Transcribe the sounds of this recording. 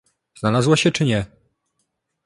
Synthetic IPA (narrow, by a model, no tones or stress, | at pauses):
znalazwaɕɛt͡ʂɘɲɛ